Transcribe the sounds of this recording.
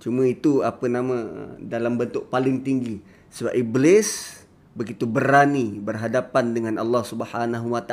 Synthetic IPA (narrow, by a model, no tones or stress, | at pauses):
t͡ʃumãit̪uapənamã̰dalambənt̪ʊʔ̚palɪŋt̪iŋɡi | səbap̚iblɪs | bəɡit̪ubəɾanibərɦadapandəŋanʔa̰lːɑhsubəhanaɦuwat̪a